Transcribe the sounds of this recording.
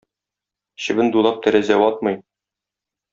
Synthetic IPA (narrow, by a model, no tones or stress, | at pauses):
ɕɘ̆bɘnd̪ulˠɑp̚t̪æɾæzæwɒt̪̚mɤj